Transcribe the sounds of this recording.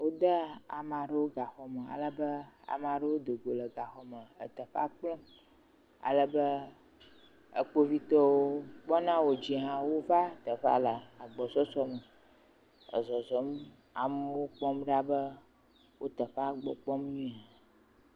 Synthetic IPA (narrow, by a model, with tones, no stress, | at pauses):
wo˦d̪ə˦a̰˨mã˨ɖə˦wo˦ɡa˨xɔ˨mə˨a̰˨lə˦bə˦a̰˨mã˨ɖə˦wo˦d̪o˨ɡo˨lə˨ɡa˨xɔ˨mə˨ə̰˨t̪ə˨ɸa̰˦k͡plɔ̃˦ | a̰˨lə˦bə˦ | ə̰˨k͡po˦vi˦t̪ɔ˦wo˦k͡pɔ˦nã˦wo˨d͡ʑi˨ɦã˦wo˦va˦t̪ə˨ɸa̰˦lə˨a˨ɡ͡bɔ˨sɔ˦sɔ˦mə˨ | ə̰˨zɔ˨zɔ˨˦m˦ | a̰˨m˦wo˦k͡pɔ˦mɖa˦bə˦ | wʔo˦t̪ə˨ɸa˦ɡ͡bɔ̰˨k͡pɔ˦m˦ɲĩ˦a˨